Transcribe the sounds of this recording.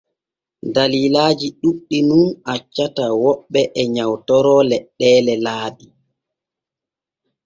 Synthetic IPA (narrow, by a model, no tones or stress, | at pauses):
daliːlaːd͡ʒiɗuɗːinunat͡ʃːatawɔɓːɛʔɛɲawtɔɾɔlɛɗːɛːlɛlaːɗi